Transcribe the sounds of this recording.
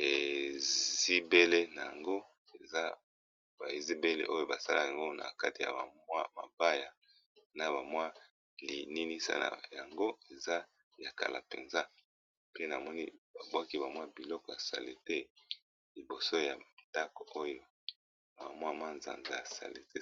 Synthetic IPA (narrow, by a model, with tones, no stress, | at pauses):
e˨ | zi˦be˦le˦na˨ja˨ŋɡo˦ | e˨za˦ | ba˨i˨zi˦be˦lḛ˦ʔo˦jo˦ba˨sa˦la˦˨a˨ŋɡo˦na̰˨ka˦ti˨ja̰˨ba˨mwa˦ma̰˨ba˦ja˨ | na˦βa˨mwa˦ | li˨ni˦ni˦sa̰˦na̰˨ja˨ŋɡo˦e˨za˦ | ja˨ka̰˨lʔa̰˨pḛ˨nza˦ | pe˦na˨mɔ˦ni˦ba˨bwa˦ki˦ba˨mwa˦bi˨lɔ˦kɔ˨ja˨sa̰˨le˨te˦ | li˨bo˨so˦ja˨nda˦ko˨o˦jo˨ | a˨mwa˦˨ma˦nza̰˨nza˨a˨sa̰˨lḛ˨te˦